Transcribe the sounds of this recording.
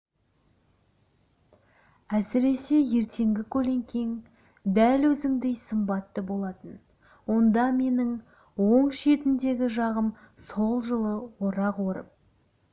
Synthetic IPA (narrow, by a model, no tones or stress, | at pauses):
æsɪɾe̞se̞je̞ɾt̪ʰe̞ŋɡʲɪkʲʰɵle̞ŋkʲʰe̞ŋ | d̪ælwɵzɪŋd̪e̞jsəmbɑt̪ːəbo̞lˠɑt̪ən | wo̞nd̪ɑme̞nɪŋ | wo̞ɴʃe̞t̪ɪnd̪e̞ɡʲɪʒɑʁəm | so̞lˠʒəlˠəwo̞ɾɑqwo̞ɾə̰p̚